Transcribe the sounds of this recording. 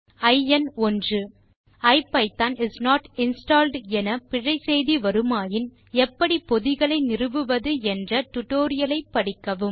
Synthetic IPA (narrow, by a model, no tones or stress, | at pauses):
ɐɪɛnɔndrɯ | ɐɪpːɐɪt̪ːaːnɪsnaːʈɪnsʈaːlɖɛnɐpɪɻɐɪsɛjðiʋɐɾɯmaːjɪn | ɛpːɐɽipɔðɪɣɐɭɐɪnɪrɯʋɯʋɐðɯɛndrɐʈʊʈoːɾɪjɐlɐɪpːɐɽɪkːɐʋɯm